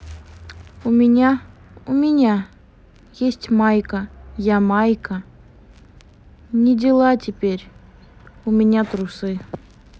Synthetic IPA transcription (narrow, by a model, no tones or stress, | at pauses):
umʲinʲɑ | umʲinʲɑ | jesʲtʲmɑjkəjɑmɑjkə | nʲedʲelˠɑtʲepʲeɾʲ | umʲenʲɑt̪rusɨ